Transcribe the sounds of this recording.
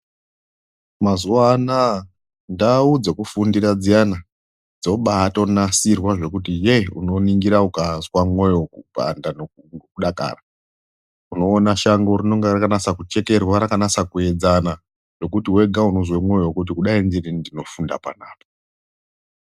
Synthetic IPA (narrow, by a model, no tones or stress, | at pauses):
mazuana | ndaud͡zakufundiɾad͡zijana | d͡zo̞ɓato̞nasirwaʐe̞kutijeuno̞niŋɡiɾaukazwamwejokupa̰ndano | okuɗaka̰ːra | uno̞ːnaʃaŋɡo̞rino̞ŋɡerakanasakut͡ʃe̞ke̞rwaɾakanasakue̞d͡zana | ʐo̞kutiwe̞ɡʱaunozwemwe̞jokut̬ikuɗainziɾindino̞funda̰pa̰naːpo